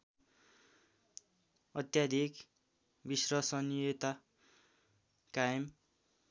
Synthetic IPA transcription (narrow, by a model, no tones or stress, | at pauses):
ʌt̪jad̪ʱik | bisrʌsʌnot̪a | kajʌm